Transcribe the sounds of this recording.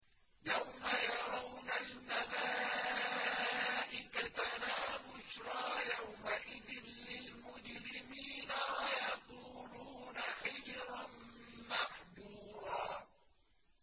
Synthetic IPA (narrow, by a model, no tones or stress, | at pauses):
jawmajɑɾˤɑwnalmalaː | ʔɪkatalaːbʊʃɾˤɑːjawmaʔɪðɪnlɪlmʊd͡ʒɾɪmiːnawajɑquːluːnaħɪd͡ʒɾˤanmaħd̪uːɾˤɑː